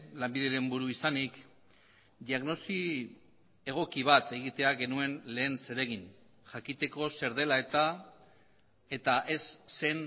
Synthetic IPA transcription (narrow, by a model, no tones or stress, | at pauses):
lambiðeɾe̞mbuɾuisanik | d̪iaɣno̞si | e̞ɣ̞o̞kiβ̞at̪e̞ɣ̞it̪e̞aɣe̞nue̞nle̞ːnse̞ɾe̞ɣ̞in | ʝakit̪e̞ko̞se̞ɾð̞e̞lae̞t̪a | e̞t̪aʔe̞sːe̞n